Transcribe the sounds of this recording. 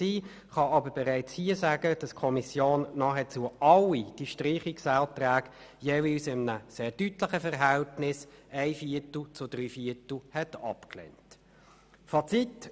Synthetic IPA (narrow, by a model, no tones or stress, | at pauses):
siː | χɑɑbəɾbɛʁæɪt͡shiːəsæːɡəd̥ɑskʰɔmisjoːnːɑːχɛt͡suːəɑlid̥iʃtʁiːχiksæːltɾæːɡ̥jeːvilsɪmənəseːdytləχəfəʁɦæltnɪsæɪfiətl̩t͡sʊdɾyːfiətl̩hɛtɑpklɛ̰nt | fɑt͡sit